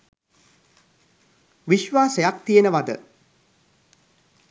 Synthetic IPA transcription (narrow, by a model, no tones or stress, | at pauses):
ʋiʃʋaːsejak̚t̪ijenəʋad̪ə